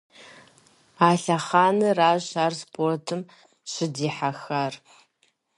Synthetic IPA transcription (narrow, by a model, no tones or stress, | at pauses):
aɬaχaːnɨraːʒaːrspʰortʰɨm | ʃɨdiːħaxar